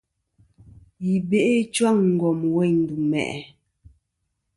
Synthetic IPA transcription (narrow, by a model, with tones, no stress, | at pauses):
ji˨be˦˨ʔe˦t͡ʃwa˦˨ŋŋ̩˨ɡwɔ˨mwɛ˦˨ɲn˨du˨mɛ̰˨ʔɛ˨